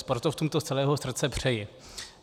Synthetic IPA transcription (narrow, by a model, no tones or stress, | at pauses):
spoɾt̪oft̪umt̪ostt͡sɛlɛːɦosr̩t̪t͡sɛpr̝̥ɛjɪ